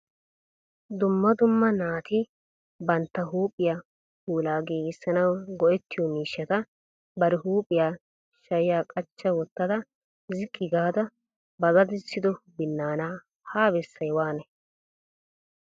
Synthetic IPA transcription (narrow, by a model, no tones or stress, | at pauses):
d̪ʊmːɐd̪ʊmːɐnaːt̪ɪ | bɐnt̪ːɐɦuːpʼːɪja | kuːlaːɡeːɡɪsːɐnɐwɡɔʔɛt̪ːɪjɔmiːʃːɐt̪ɐ | bɐɾɛɦuːpʼːɪjaː | ʃɐjɪjaːkʼɐt͡ʃːɐwɔt̪ːɐd̪ɐ | zɪkʼːɪɡaːd̪ɐ | bɐzɐd̪ɪsːɪd̪ɔbɪnːaːnaː | haːbɛsːɐjwaːnɛ